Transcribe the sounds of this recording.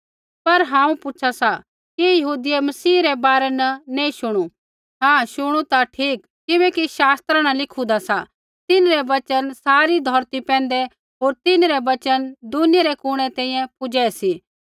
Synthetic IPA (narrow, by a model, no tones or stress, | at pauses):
pɐɾɦãːũpʊːt͡ʃʰasa | kijɐɦuːd̪ɪjemɐsiːɾɛbaːɾɛnɐnẽĩʃʊɽ̃u | ɦãːʃʊɽ̃ut̪aʈʰiːkːɪbɛkiʃaːst̪ɾañɐlɪkʰud̪asa | t̪ɪnɾɛʋɐt͡ʃənsaːɾid̪ʱɔːɾt̪ipɛ̃ːn̆d̪ɛ | ɦoːɾt̪ɪnɾɛʋɐt͡ʃənd̪ʊnɪjɾekʊɽ̃ɛt̪ɛ̃ːĩjɛ̃pʊd͡ʒɛːɛsi